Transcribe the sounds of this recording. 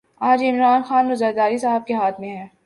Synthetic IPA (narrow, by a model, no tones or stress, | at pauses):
aːd͡ʒɪmɾaːnxaːnɾʊzəɾd̪aːɾisaːɦəb̚keɦaːt̪ʰmẽɦɛː